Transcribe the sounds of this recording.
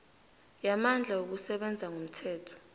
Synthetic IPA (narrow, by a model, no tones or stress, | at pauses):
jamand͡ɮʱawok̬usɛɓɛnd͡zʱaŋum̩tʰɛːtʰɔ̥